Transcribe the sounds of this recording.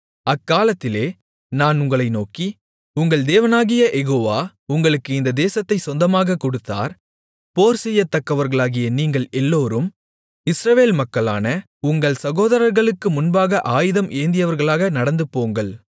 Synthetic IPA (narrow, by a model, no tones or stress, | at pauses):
ɐkːaːlɐt̪ːɪleː | naːnʊŋɡɐɭɐɪnoːki | ʊŋɡɐɭd̪eːʋɐnaːɣɪjɐʔɛɣoːʋaː | ʊŋɡɐɭɯkːɯɪnd̪ɐd̪eːsɐt̪ːɐɪsɔnd̪ɐmaːɣɐkːɔɽɯt̪ːa̰ːɾ | poːɾsɛjːɐt̪ːɐkːɐʋɐɾɣɐɭaːɣɪjɐniːŋɡɐɭɛlːoːɾɯm | ɪsɾɐʋeːlmɐkːɐɭa̰ːnɐ | ʊŋɡɐɭsɐɣoːðɐɾɐɾɣɐɭɯkːɯmʊnbaːɣɐʔaːjɪðɐmʔeːnd̪ɪjɐʋɐɾɣɐɭaːɣɐnɐɽɐnd̪ɯpːoːŋɡɐɭ